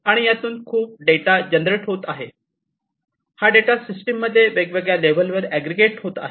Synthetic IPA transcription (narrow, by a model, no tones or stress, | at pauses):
aɽ̃ijat̪uːnkʰuːp̚ɖeʈad͡ʑənd̪ɾeʈɦot̪aɦe | haɖeʈasisʈəmːəd̪ʱːjeʋeɡʋeɡjalebəlʋəɾæɡɾeɡeʈhot̪a̰ɦe